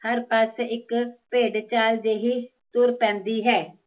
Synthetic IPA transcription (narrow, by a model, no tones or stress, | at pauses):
həɾpəsɪkpeːɖt͡ʃaːld͡ʒeːɦiː | t̪ʊɾpɛ̃ːnd̪iːɦɛː